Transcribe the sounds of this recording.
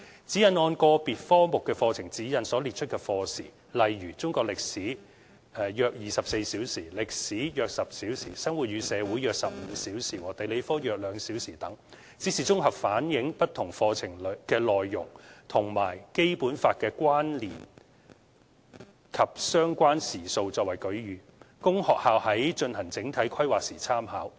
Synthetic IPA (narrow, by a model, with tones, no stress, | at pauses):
t͡siː˨˥jɐ˨nɔː˧nkɔː˧piː˨t̚fɔː˥mʊ˨kːɛː˧fɔː˧t͡sʰɪ˨˩ŋt͡siː˨˥jɐ˨˧nsɔː˨˥liː˨t̚t͡ʃʰɵ˥t̚kɛː˧fɔː˧sḭː˨˩ | lɐ˨jɥyː˨˩t͡sʊ˥ŋkɔː˧k̚lɪ˨k̚siː˨˥ | ɛː˨jœː˧k̚jiː˨˩sɐ˨p̚se˧jsiː˨˥wsiː˨˩lɪ˨k̚siː˨˥jœː˨˧k̚sɐ˨p̚siː˨˥wsiː˨˩sɐ˥ŋwu˨t̚jyː˨˧sɛː˨˧wu˨˥jœː˨˧k̚sɐ˨p̚m̩ː˨˧siː˨˥wsiː˨˩wɔː˨t̪e˨jle˨˧jfɔː˥jœː˨k̚lœː˨˧ŋsiː˨˥wsiː˨˩t̪ɐ˨˥ŋ | t͡si˨˥siː˨˩t͡sʊ˥ŋɦɐ˨p̚faː˨˥njɪ˨˥ŋpɐ˥t̪̚ʰʊ˨˩ŋfɔː˧t͡sʰɪ˨˩ŋlkɛː˧lɔː˨jːʊ˨˩ŋt̪ʰʊ˨˩ŋmaː˨˩jke˥jpuː˨˥nfaː˧t̚kɛː˧kʷwaː˥nliː˨˩n | kʰɐ˨p̚sœː˥ŋkʷaː˥nsiː˨˩so˧wt͡sɔː˧k̚wɐ˨˩jkɵ˨˥ɥjyː˨˦ | kʊ˥ŋhɔː˨k̚haː˨˧whɐ˨˥jt͡ʃɵ˧nhɐ˨˩ŋt͡sɪ˨˥ŋt̪ʰɐ˨˥jkʰɐ˥jwaː˨k̚siː˨˩t͡sʰaː˥mhaː˨˥w